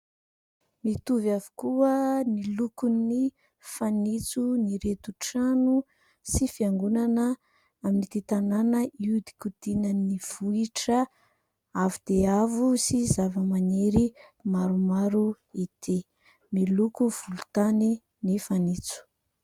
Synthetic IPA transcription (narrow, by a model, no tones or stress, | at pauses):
mit̪uvavu̥kuənilukuni | fanit͡suniɾet̪uʈ͡ʂanu | sifiaŋɡunanə | aminit̪et̪ananəiud̪i̥kud̪̥inəniv̥uiʈ͡ʂə | avud̪̥eavusizavəmaneɾimaɾumaɾu | it̪ʰe | milukuv̥ulut̪ani | nifanit͡su̥